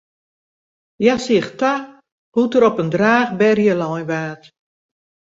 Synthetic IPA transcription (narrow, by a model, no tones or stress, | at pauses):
jasiəxta | hutəɾɔpəndraːxbɛrjəlɔjnʋaːt